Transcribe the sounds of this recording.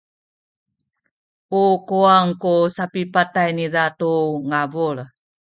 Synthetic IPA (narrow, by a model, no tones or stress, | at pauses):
ukuaŋkusapipatajniðatuŋavuɭ